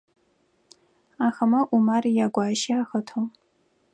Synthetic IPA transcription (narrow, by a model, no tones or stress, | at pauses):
aːxɐmɐʔumarijaɡʷaːʃiaxɐtʰow